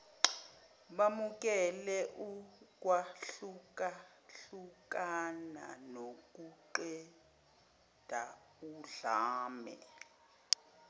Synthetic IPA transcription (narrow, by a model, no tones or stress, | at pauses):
ɓamuk̬ʼɛlɛʔuk̬ʼwaɬuka | ɬukʼana̰nok̬ʼuǃɛ | d̥ʱa | uɮaːmɛ̰